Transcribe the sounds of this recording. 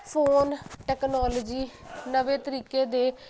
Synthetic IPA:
pʰoːnʈɛːknɔːloːd͡ʒiː | nəʋeːt̪əɾiːkeːd̪eː

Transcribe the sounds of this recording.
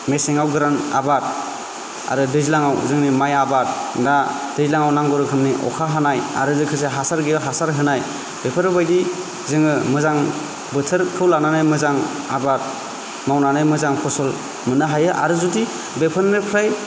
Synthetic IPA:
meseŋawɡɯɾana̰bat̚ | a̰ɾɯdɯzilaŋawzɯŋnimajabat̚na | d̥ɯzilaŋawnaŋɡɔɾɯkʰɯmniʔɔ̰kʰaɦanaja̰ɾɯzɯkʰɯs̬eɦasaɾɡiɦasaɾɦɯnaj | b̥epʰɯɾɯbajdi | zɯŋɯmɯzaŋ | bɯtʰɯɾkʰɯwlananajmɯzaŋ | a̰bat̚ | mawnanajmɯzaŋpʰɔsɔl | mɯnɯɦajɯʔa̰ɾɯzudi | bepʰɯnːɯpʰɾaj

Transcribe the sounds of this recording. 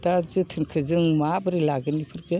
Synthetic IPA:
dazɯtʰɯnkʰɯzɯŋmabɯɾilaɡɯnipʰɯɾɡɯ

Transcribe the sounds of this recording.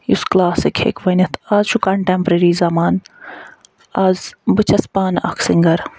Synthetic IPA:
jusklaːsikʰhḛːkʋɐnɐt̪ʰazʃukɐɳʈempɾeːɾiːzaːmaːn | aːzbɨt͡ʃʰɐspaːnɐ̰kʰsiŋɡɐɾ

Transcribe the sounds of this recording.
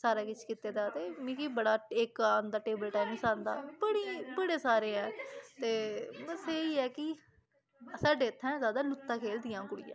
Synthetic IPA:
saːɾaːkɪt͡ʃkit̪eːd̪aːt̪eːmĩːkiːbəɽaːɪkaːnd̪aːʈeːbəlʈaːɪmĩsãːnd̪a̰ːbəɽiːbəɽeːsaːɾeːɛːt̪eːməseːiːɛːkɪ | saːɖeːt̪ʰːɛ̃ːzaːd̪aːlʊt̪ːãːkʰeːld̪ɪjãːkʊɽɪjã̰

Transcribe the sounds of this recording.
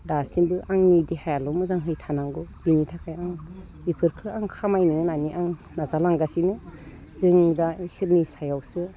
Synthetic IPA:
dasinbɯʔaŋnidihajalɔmɯzaŋɦɯjtʰanaŋɡɔb̥initʰakʰajaŋ | bipʰɯɾkʰɯaŋkʰamajniŋɯnaniʔaŋ | nazalaŋɡasinɯ | zɯŋdaisiɾnisajawsɯ

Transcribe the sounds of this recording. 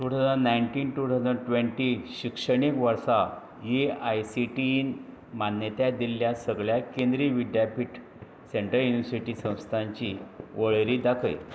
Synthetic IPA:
ʈ̪uːt̪ʰad͡zaɽnaiɳʈiːnʈut̪ʰad͡zaɽʈʋeɳʈiɕikʂəɽikʋəɾsa | jeajsiʈiːn | manjət̪jad̪ilːjasəɡɭjakend̪ɾiʋid̪japiʈ | seɳʈəɾjuniʋəɾsiʈisə̃w̃st̪ʰaɲt͡ɕiʋəɭɾiːd̪akʰəj

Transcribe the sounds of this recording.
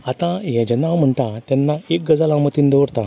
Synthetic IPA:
at̪ãɦɛ̃d͡ʑanaʋm̤əɳʈ̪ãt̪ɛnːaek̚ɡəd͡zalamət̪iːnd̪eʋəɽt̪ã

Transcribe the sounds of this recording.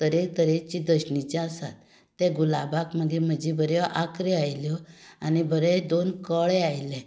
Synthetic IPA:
t̪əɾek̚t̪əɾet͡ɕid̪əɕnit͡ɕaəsa̰t̪ː | ɛ̃ɡulabakməɡem̤əd͡ʑibʱəɾjɔʔakɾeajljɔanibʱəɾɛd̪onkəɭɛajlɛ̃

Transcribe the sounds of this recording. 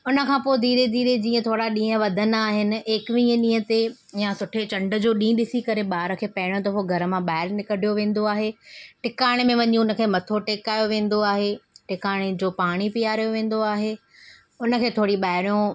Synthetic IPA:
ʊnə̆kʰãːpoːɪd̪iːɾed̪iːɾed͡ʑĩːə̃t̪ʰoːɽaɗĩːə̃ʋɐd̪ʱənaːɦɪnɪ̆eːkʋĩːəɗĩːɦət̪e | jasʊʈʰet͡ɕɐ̃ɳɖə̆d͡ʑoːɗĩːɗɪsikɐɾeɓaːɾə̆kʰeːpɐɦɪɽ̃jõt̪ɐfoɡʱɐɾə̆mãɓaːɪɾnɪkəɖʱijoʋẽːn̆d̪oaːɦeʈɪkaːɽ̃emẽʋɐɲũʊnə̆kʰeːmɐt̪ʰoʈeːkaːjoʋẽːn̆d̪oaːɦeʈɪkaːɽ̃ed͡ʑoːpaːɽ̃ipijaːɾijoʋẽːn̆d̪oaːɦeː | ʊnə̆kʰeːt̪ʰoːɽiɓaːɦɪɾjõ

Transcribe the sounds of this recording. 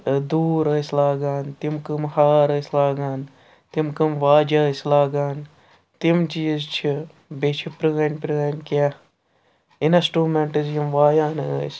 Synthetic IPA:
d̪uːɾɐslaːɡaːnt̪imkɨmhaːɾɐslaːɡaːn | t̪imkɨmʋaːd͡ʒɐslaːɡaːn | t̪imt͡ʃijzt͡ʃʰi | bet͡ʃʰipɾɨɡɐnpɾɨɡɐnʲka | inɐsʈuːmeɳʈɨzjimʋaːjaːnɨ̰s

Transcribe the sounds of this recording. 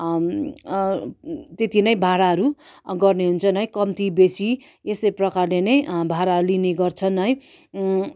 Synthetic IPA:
t̪et̪ʰinʌjbʱaɾaɦʌɾuɡʌrneɦunt͡sʰʌnʌjkʌmt̪ibesi | esʌjprʌkarlenʌjbʱaɾalineɡʌrt͡sʰʌnːʌj

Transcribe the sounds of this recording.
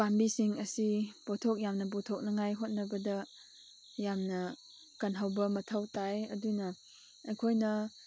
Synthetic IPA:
bambisiŋɐsib̥otʰok̚jamnɐbotʰok̚nɐŋajɦot̚nɐbɐdɐ | jamnɐ | kɐnɦawbɐmɐtʰawtajɐ̰dunɐ | ɐjkʰojnɐ

